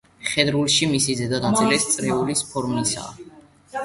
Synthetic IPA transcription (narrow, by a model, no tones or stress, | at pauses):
χɛd̪ɾulˠʃimisizɛd̪ad̪ant̪sʰʼiɾɛst̪sʼɾɛulispʰɔɾmisa̰